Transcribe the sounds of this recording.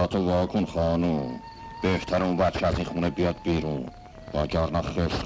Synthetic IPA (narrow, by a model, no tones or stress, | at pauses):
ɒːt̪ʰovɒːkʰonχɑːnum | b̥eht̪ʰæɾeunvæɾt͡ʃʰɛæzinχuːnebijɒd̪̚biːɾuːn | vɒːɡɒɾnɑχeʃ